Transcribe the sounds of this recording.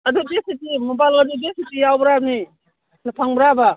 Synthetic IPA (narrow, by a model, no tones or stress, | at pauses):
ɐdudesitimobajlɡadudesitijawbɾab̚ni | napʰaŋbɾaba